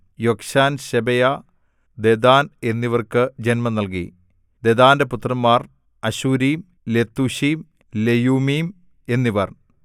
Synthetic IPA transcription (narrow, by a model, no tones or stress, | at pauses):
jokʂaːnɕebɐja | d̪ed̪aːne̞nːiʋɐrkɨd͡ʑenmɐnɐlk̬ḭ | d̪e̞d̪aːndeput̪rɐmːaːr | ɐɕuːɾiːm | le̞t̪ːuɕiːm | lejuːmiːm | e̞nːiʋɐr